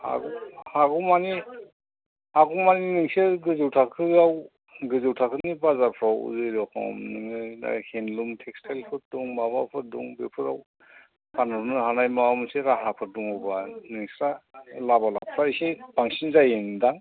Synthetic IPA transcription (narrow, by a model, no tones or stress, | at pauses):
a̰ɡuaɡumani | aɡumaniniŋseɡɯzɯwtʰakʰɯaw | ɡɯzɯwtʰakʰɯnibazaɾpʰɾawṵzɯjɾɔkʰɔ̰mnɯŋɯjda̰henlumtʰekstʰalpʰɯɾ̚duŋmaβapʰɯɾ̚dṵŋbepʰɯɾa̰w | panɯɾnɯhanajmawamseɾaɦapʰɯɾ̚duŋɔbanɯŋsɾalabala̰pʰɾajseb̥aŋsinzajɯndaŋ